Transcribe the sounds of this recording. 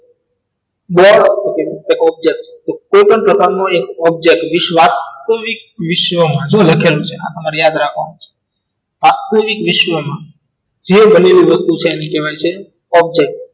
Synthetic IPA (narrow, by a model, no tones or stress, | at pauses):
bɔɽokeekɔb̚d͡ʒek̚ʈt͡ʃʰe̥t̪okojpəɳpɾəkaɾnoekɔb̚d͡ʒek̚ʈʋɪʃʋast̪əʋik̚ʋɪʃʋəmãd͡ʒoləkʰelũt͡ʃʰea̰t̪əmaɾijad̪ɾakʰʋa̰not͡ʃʰe̥ | ʋast̪əʋikʋɪʃʋəmã | d͡ʒebʱəneɾiʋəst̪ut͡ʃʰeːnĩkeʋajt͡ʃʰe | ɔb̚d͡ʒek̚ʈ